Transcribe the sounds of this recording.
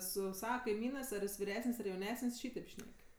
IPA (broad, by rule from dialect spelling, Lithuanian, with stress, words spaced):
ˈsʊ ˈsɑːʋɐ kɐɪˈmʲiːnɜs ɐr ˈjɪs ʋʲɪˈrʲæːsənʲsʲ ɐr jɛʊˈnʲæːsənʲsʲ ˈʃʲiːtʲeːp ˈʃʲnʲɛkʲ